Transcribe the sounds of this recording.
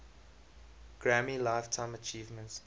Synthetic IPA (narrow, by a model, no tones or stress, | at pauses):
ɡ̥ɹæmilaɪftʰãɪ̃mət͡ʃiːvmə̃nt